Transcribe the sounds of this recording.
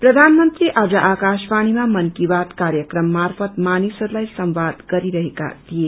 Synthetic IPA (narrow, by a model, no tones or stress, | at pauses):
pɾʌd̪ʱanmənt̪ɾiʔʔaːd͡zʌʔakaʃpaɽ̃imamʌnkibat̪kaɾjəkɾʌmːarpʰʌt̪manisʌɾlajsʌmʋad̪ɡʌɾiɾʌɦeka̰t̪ʰije